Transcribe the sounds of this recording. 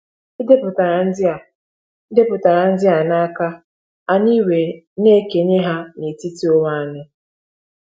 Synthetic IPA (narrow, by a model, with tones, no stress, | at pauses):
i˦de˦pʊ˨ta˨ɾa˨n̩˦dɪ˦a˨˦ | de˦pʊ˨ta˨ɾa˨n̩˦dɪ˦ɦa˨na˦ka˦ | a˨ni˦we˨ | ne˦ke˨ɲe˦ɦa˦ni˨ti˦ti˦o˦wa˦˨nɪ˦